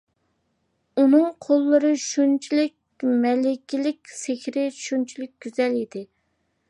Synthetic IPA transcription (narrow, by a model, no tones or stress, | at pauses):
unɨŋqʰolˠːɨɾɨʃunt͡ʃʰilɪkʲmɛlɪkʲilɪkʲsehʲɾɪʃunt͡ʃʰilɪk̚ʲɡ̥ʲyz̥ɛlid̪ɪ